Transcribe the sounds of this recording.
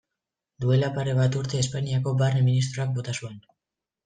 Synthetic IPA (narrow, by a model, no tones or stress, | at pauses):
d̪ue̞lapaɾe̞βat̪uɾt̪e̞ːspaniako̞barneminist̪ɾo̞ak̚bo̞t̪asue̞n